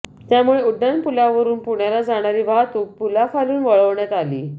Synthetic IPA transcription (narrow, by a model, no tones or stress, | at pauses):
t̪jamuɭeuɖanpulaʋəɾuːnpuɳjalad͡zaɽ̃aɾiːʋaɦt̪uːk̚pulafaluːnʋəɭəʋɳjat̪aliː